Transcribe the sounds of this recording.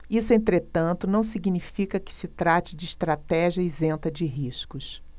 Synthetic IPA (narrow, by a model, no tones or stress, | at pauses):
isʊẽnt̪ɾet̪ɐ̃nt̪ʊnɐ̃w̃siɡnifikɐkɪ̥sɪt̪ɾat͡ʃɪd͡ʒɪːʃt̪ɾat̪ɛʒiɐizẽnt̪ɐd͡ʒɪɦiʃkʊs